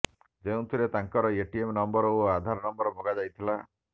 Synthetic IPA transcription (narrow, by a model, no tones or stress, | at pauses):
d͡ʒeũt̪ʰiɾet̪aŋkɔɾɔeʈiemnɔmbɔɾɔoad̪ʱaɾɔnɔmbɔɾɔbʱɔɡad͡ʒajt̪ʰila